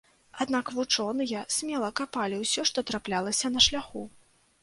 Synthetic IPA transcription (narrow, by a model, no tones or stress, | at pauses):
ad̪nakvut͡ʂɔnɨjɐsʲmʲɛlˠɐkapalʲiwsʲɔʂt̪ɔt̪ɾaplʲalˠɐsʲɐnɐʂlʲaxu